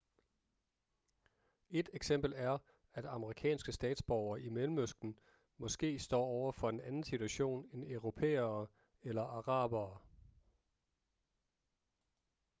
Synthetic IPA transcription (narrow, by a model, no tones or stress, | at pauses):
e̝d̥eɡ̥sem̰b̥l̩æɐ | æd̥ɑ̈məʁikʰɛ̰ːnsɡ̥əsd̥ɛ̰ːd̥sb̥ɒʊɐːʔimelm̩øsɡ̥n̩ | mɒ̽sɡ̥e̝̰ːsd̥ɒ̰ːɒʊɐfɒ̽e̝nænn̩sit͡sʰuæɕo̝̰ːnenœʊʁo̝pʰḛːɐː | elɐʔɑ̈ʁɑ̰̈ːb̥ɐː